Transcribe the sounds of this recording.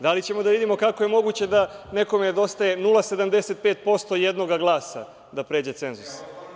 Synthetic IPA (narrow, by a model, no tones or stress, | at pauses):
d̪alit͡ɕe̞mo̞d̪aʋid̪imo̞kakoje̞mo̞ɡut͡ɕe̞d̪ane̞ko̞mened̪o̞st̪aje̞nulˠase̞d̪amd̪eset̪̚peːt̪̚po̞st̪o̞jed̪no̞ɡaɡlˠaːsa̰ | d̪apɾe̞ːd͡ʑe̞t̪se̞nzus